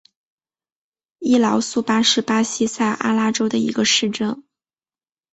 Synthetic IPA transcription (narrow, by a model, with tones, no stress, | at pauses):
i˥˩lɑ˧˥ʊsu˥˩pa˥ʂɻ̩˥˩pa˥ɕi˥sa˥˩ɪʔa̰˥la˥ʈ͡ʂo˥ʊd̪ə˨ḭ˧˥ɡə˧ʂɻ̩˥˧ʈ͡ʂɤ˥˩ŋ